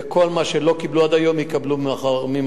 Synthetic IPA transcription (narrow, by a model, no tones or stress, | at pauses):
ko̞lmaʃelo̞kibluad̪ajo̞mjikablumχaʁmim